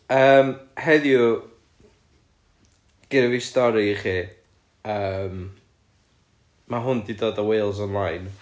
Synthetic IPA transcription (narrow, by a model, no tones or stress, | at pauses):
əːmhɛðjʊ | ɡ̥ɪɾəvistɔɾiχiː | əːm | maɦʊndidoːdəwejlˠz̬ɔnlˠajn